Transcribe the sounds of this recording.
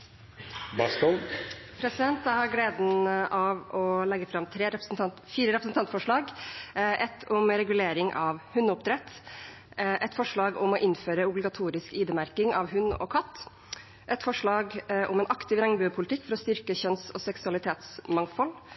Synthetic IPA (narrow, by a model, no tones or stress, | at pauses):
bɑst̪ɔl | pʰɾɛsɪd̪ɛnt̪æhɑɾɡleːd̪nʔɑʋʔɔlɛɡːəfɾɑmt̪ʰɾeːɾɛ | fiːɾəɾɛpɾəsn̩t̪ʰɑnt̪fɔʂɭɑːɡʔɛt̪ʰːʊmɾɛɡʉleːɾɪŋʔɑʋhʉnːʊp̚d̪ɾɛt̪ː | ʔɛt̪fɔʂɭɑːɡʊmɔʔɪnføːɾəʊblɪɡɑt̪ʰuːɾɪskiːd̪əmæɾkɪŋʔɑʋɦʉnːɔ̰kʰɑt̪ː | ʔɛt̪fɔʂɭɑːɡʔʊmɛnʔɑkt̪ɪʋɾɛŋbʉːpʰʊlɪt̪ʰɪkːfɔɾɔst̪ʏɾkəçœnst̪ɔsɛksʉɑlɪt̪ʰeːt̪smɑŋfɔl